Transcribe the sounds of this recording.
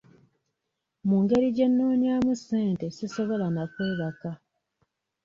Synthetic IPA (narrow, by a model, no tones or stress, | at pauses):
muːŋɡe̞ɾiɟe̞nːoːɲiaːmuseːnte̞siso̞βo̞lanakwe̞ːβaka